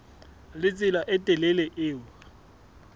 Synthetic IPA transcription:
lɪt͡sʼɪlaʔɛtʼɛlɛlɛʔɪːwa

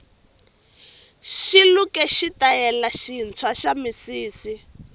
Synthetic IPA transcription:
ʃilukɛʃitajɛlaʃint͡sʰwaʃamisiːsi

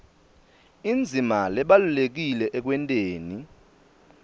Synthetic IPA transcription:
ind͡zʱimalɛɓalulek̬ilɛʔɛk̬wɛntʼeːni

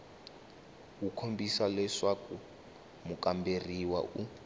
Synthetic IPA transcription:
kukʰombisalɛʂaku | mukʼamberiwa̰ʔu

